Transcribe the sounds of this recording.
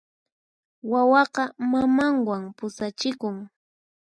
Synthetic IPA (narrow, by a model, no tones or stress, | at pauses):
wawɑqɑmamaŋwampʊsat͡ʃɪkʊŋ